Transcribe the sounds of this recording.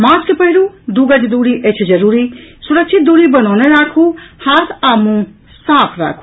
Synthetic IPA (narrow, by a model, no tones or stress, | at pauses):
maːskepəɦiɾud̪uɡəd͡ʒd̪uːɽiʔet͡ʃʰd͡ʒɐɾuːɾisuɾək̚t͡ʃʰit̪̚d̪uɽibənawneɾaːkʰuhat̪ʰaːmũ | saːpʰɾa̰ːkʰu